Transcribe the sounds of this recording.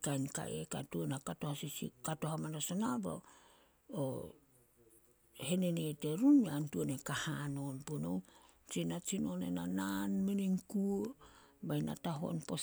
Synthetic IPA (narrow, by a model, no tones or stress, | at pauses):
kajnka̰ʔeka̰tuonakatohasisḭkatoɦamanasonabo̰ | o | he̞neneteɾuniantuonekahano̞npuno̰w | t͡ʃinat͡ʃino̞nenananminiŋkuobajna̰taɦo̞̰npo